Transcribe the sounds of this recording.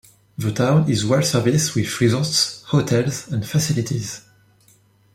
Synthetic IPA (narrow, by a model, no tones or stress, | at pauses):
ðətʰãw̃nɪzwɛlsɛ˞viswɪðɹizɔltshotʰɛlˠzɛ̃nfasɪlitʰiz